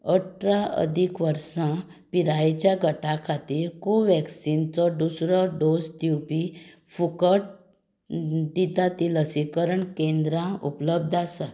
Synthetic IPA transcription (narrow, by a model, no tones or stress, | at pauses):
əʈɾaə̰d̪ʱikʋəɾsã | piɾajet͡ɕjaɡʱəʈakʰat̪iːɾkoʋɛksint͡sɔɖusɾɔɖod͡zt̪juwpifukəʈ̚ | d̪it̪at̪iləsikəɾəɳkẽnd̪ɾãṵpləb̚d̪ʱasa